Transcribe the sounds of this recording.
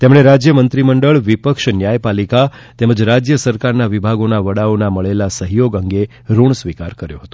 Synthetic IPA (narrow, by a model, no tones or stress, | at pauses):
t̪emɳ̃eɾad͡ʒjəmənt̪ɾiməɳɖəɭʋipəkʃnjajpalika | t̪ɛməd͡ʒɾad͡ʒjəsəɾkaɾnaʋibʱaɡonaʋəɽaonaməɭelasəɦjoɡəŋɡe | ɾuɳsʋikaɾkəɾjoɦət̪õ̥